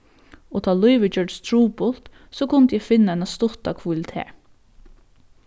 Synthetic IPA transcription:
ɔt̪ʰɑːlʊɪʋət͡ʃœɹʈst̪ʰɹuːpʊlt̪ | sɔːkʊnt̪əjɛfɪnːaɛnast̪ʊt̪akʰʋalɪt̪ʰḛː

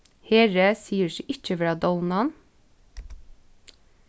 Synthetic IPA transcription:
heːɹəsiːəʃiːʔɪc͡çəʋɾɑːd̪ɔlnɑn

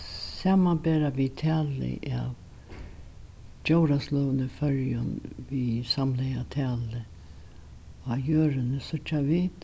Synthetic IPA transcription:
saːmabeːɾaʋit̪ʰæːlɪ̰ʔa̰ʋ | d͡ʒoʊɾaslœːnəfœɹjʊnvisamlɛjat̪ʰæːlɪ | ajøːɾɪnəsʊt͡ʃːaʋiːt̪

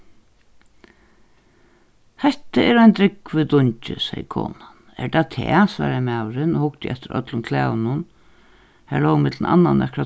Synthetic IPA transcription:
hɛht̪əɛːɾajnt̪ɾɪkvɪd̪ʊɲt͡ʃɪ̰sɛjəkʰɔ̰ːnan | ɛ̰ɾd̪at̪ʰɛːsva̰ːɾamaːwɾɪnɔhʊkt̪ɪ̰ʔɛt̪ɪɾœ̰t̪lʊnkʰlɛːʋnʊn | hælɔwmɪt̪lna̰nːanɛkɾa

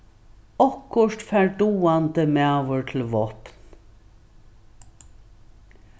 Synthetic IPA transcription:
ɔkʊʂt̪fɛɹɖuːant̪əmɛʋəɹt̪ʰɪlʋɔt̪n

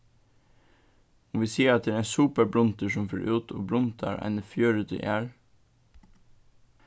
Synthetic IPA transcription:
ʊmʋiːsiːɑt̪̚d̪ɛɾæsʉːpəɾbɾʊnt̪əʃɔmfø̰ːɹʔʉːt̪ʰo̰ːbɾʊnt̪ʰɑ̰ɾʔæ̰ɪnəfjøːɹʉt̪ʰɪ̰ʔæːɹ

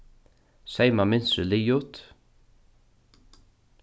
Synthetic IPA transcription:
sɛjmamɪnsəliːjʊt̪

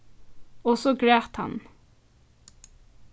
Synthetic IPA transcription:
ɔsoɡɹeːt̪hɑ̰n

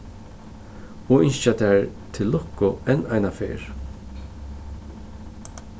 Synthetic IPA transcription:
ɔɪnʃat̪ʰɛɹ | t̪ʰɪlːɔkʊɛnajnafḛːɹ

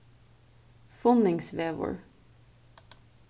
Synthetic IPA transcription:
fʊnɪŋsʋeːʋɔ̰ɹ

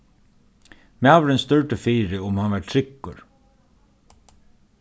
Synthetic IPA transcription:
mɛɑʋɾɛnst̪œɹʈəfiːɾəʊmhɑnʋæʈʈʰɾɪkːəɾ

